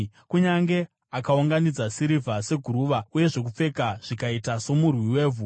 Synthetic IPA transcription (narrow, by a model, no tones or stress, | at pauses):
kuɲaŋɡe̞ | akauŋɡanid͡zasiɾivʱase̞ɡʱuɾuːʋauje̞ʐo̞kup͡fe̞kaʐ̥ikaitaso̞murwiweːvʱu